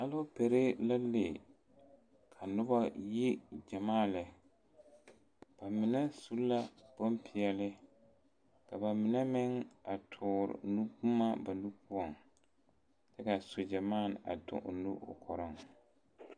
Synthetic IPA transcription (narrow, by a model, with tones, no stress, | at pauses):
ha˦lʊ˦pe˨ɾe˦la˦le˨ | kʰa˨nʊ˦ba˦ji˦d͡ʒa˨maː˦˨lɪ˨ | b̥a˨mɪ˨nɛ˦su˦la˦b̥o˦mpʰɪ˨ɛ˨lɪ˦ | ka˨ba˨mɪ˨nɛ˦mɪ˦ŋa˨tʰʊː˨ɾɪ̰˨nu˦ku˦ma˦ba˨nu˦pʊ˦ɔ˨ŋ | tɛ˦ka˨so˨d͡ʒa˨maː˦˨na̰˨tʊ̰˨ʔʊ̰˨nṵ˦ʔʊ̰˨kʰɔ˨ɾɪ˦ŋ